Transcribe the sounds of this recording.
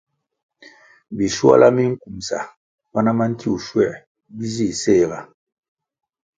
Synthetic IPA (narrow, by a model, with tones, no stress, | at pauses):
bi˨swa̰˦la˦mi˦ŋ̩˦ku˨msa̰˨ | ma˦na˦ma˦n̩˦ti˦u˨ʃwɛ˦˨ | bi˦zi˦˨se˦˨ɣa˨